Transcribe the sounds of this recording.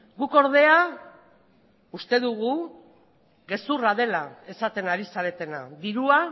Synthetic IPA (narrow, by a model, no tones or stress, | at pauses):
ɡuko̞ɾðe̞a | ust̪e̞ðuɣu | ɣe̞suraðe̞lae̞sat̪e̞naɾisaɾe̞t̪e̞na̰ðiɾua